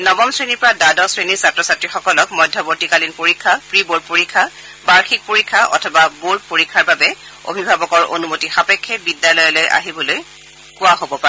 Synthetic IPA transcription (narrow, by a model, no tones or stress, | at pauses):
nɔbɔmsɹeniɹpɔɹadadɔsɹeniɹsatɹɔsatɹixɔkɔlɔkmɔjdʱːɔbotikalinpoɹikʰːapɹibod̚poɹikʰːa | baɹxʰik̚poɹikʰːaʔɔ̰tʰɔbabod̚poɹikʰːaɹbabɛ | o̰bʱibʱabɔkɔɹo̰numotixapɛkʰːɛbidjalɔjɔlojʔa̰ɦibɔloj | kʊwaɦobɔpaɛ